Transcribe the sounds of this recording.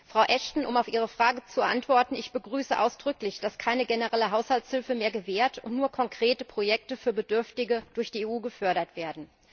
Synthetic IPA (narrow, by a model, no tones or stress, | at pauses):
fʁ̥aʊʔɛʃtn̩ʔʊmaʊfʔiːʁ̞əfʁ̥aːɡət͡subɛɐʔantv̥ɔɐtn̩ɪçb̥əɡʁyːsəʔa̰ʊsd̥ʁʏklɪçd̥askʰaɪnəɡenəʁɛləɦaʊshaltshɪlfəmeːɐɡəveːɐtʰʊntnuːɐkʰɔŋkʁ̥eːtəpʁ̥ojɛk̚təfyːɐbədʏɐftɪɡəd̥ʊɐçd̥iːeːuːɡəfœɐɾɐtv̥eːɐdn̩